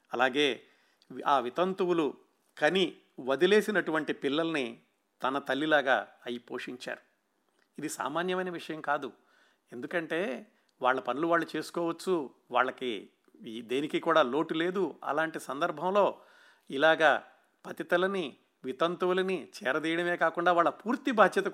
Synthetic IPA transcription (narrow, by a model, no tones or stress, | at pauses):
ɐlaːɡe̞ː | aːʋit̪ɐnt̪uwulu | kɐni | ʋɐd̪ile̞ːsinɐʈuʋɐɳʈipilːɐlɐni | t̪ɐnɐt̪ɐlːilaːɡa̰ːɐjipoːʂiɲt͡ʃa̰ːɾu | id̪isa̰ːmaːnjɐmɐjnɐʋiʂɐjɐmkaːd̪u | e̞nd̪ukɐɳʈe̞ː | ʋa̰ːɭːɐpɐnuluʋaːɭːut͡ʃe̞ːsu̥kɔːʋɐt͡ʃːu | ʋa̰ːɭːɐki | d̪eːnikikuːɽaːlo̞ːʈule̞ːd̪uɐ̰laːɳʈisɐnd̪ɐɾbʱɐmlo̞ː | ilaːɡaː | pɐt̪it̪ɐlɐni | ʋit̪ɐnt̪uwulɐnit͡ʃɛ̰ːɾɐd̪iːjɐɽɐme̞ːkaːkuɳɖaːʋaːɭːɐpuːɾt̪ibʱaːd̪jɐt̪ɐ